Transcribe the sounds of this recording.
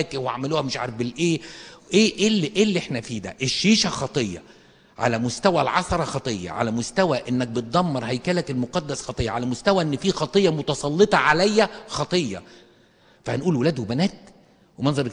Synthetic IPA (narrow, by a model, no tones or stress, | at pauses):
kweʕa̰meluːhæmeʃʕa̰ɾˤefbelʔeːʔeːʔelʔeːlːiʔeħnæfiːd̪æ̰ʔeʃːiːʃæxɑt̪ˤejːɑ̰ | ʕa̰læmost̪æwælʕɑsˤɑɾˤɑxɑt̪ˤejːɑ̰ʕa̰læmost̪æwæʔenːæk̚bet̪̚d̪ˤɑmːɑɾˤhæjkæːlækelmoqɑd̪ːæsxɑt̪ˤejːɑʕalæmost̪æwæʔenːfiːxɑt̪ˤejːɑmot̪ɑsˤɑlːet̪ˤɑʕalæjːæxɑt̪ˤejːɑ̰ | fæhænʔuːlwelæːd̪webænæːt̪̚ | wemænzˤɑɾek